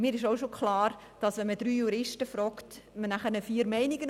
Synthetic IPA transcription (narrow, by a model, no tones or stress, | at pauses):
mɪːɾɪʃoʊʃokʰχlɑːɾ | d̥ɑsʋɛnmədɾyːjuɾɪʃtəfɾɔːktmənæχəɾnəfiːəɾmɛɪniɡən